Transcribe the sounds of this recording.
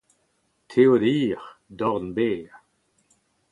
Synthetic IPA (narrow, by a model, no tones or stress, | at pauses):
t̪ʰewdiːʁd̪ɔʁnbeː